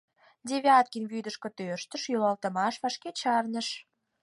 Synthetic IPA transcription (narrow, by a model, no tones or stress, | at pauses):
d̪ʲeβʲeɑt̪̚kʲinβyd̪əʃkŏt̪øʃt̪ə̆ʃjylɑlt̪ə̆mɑʃβɑʃket͡ɕɑrnə̆ʃ